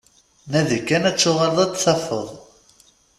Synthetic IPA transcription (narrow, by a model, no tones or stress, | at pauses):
næðikːænæt͡sːʊʁəlðˤæt͡s̪ːθæfə̰ðˤ